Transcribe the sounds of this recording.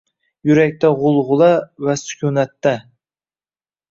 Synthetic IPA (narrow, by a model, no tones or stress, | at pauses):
jʊɾak̚ʲt̪ʰaʁʊlˠʁʊlˠavasʊ̥kʲʰunat̪ːa